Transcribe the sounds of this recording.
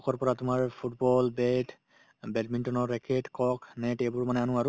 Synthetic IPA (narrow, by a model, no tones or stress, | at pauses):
ɔkɔɹpɔɹatʊmaɹpʰut̚bɔlbɛt | bɛt̚mintɔnɔɹːɛkeʈkɔknɛtejbuɹmanɛanũaɹu